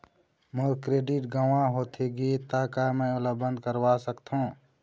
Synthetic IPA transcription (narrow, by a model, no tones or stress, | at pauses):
moɾkɾeːɖɪʈɡaʋãɦoːt̪ʰiɡit̪aːkamə̃olabə̃nd̪̚kəɾwaːsəkt̪ʰɦõː